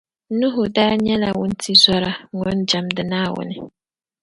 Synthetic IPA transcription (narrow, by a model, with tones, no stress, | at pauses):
nu˦ɦʊ˨daː˦ɲɛ˦la˨wʊ˦n̩˦tʰi˦zɔ˦ɾa˨ŋɔ˨˦n˦d͡ʒa˨mdɪ˨naː˦˨wʊ̰˨nɪ˨